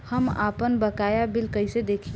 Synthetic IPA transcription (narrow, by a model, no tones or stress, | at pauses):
həma̰ːpənbəkaːjabɪlkəɪsed̪eːkʰi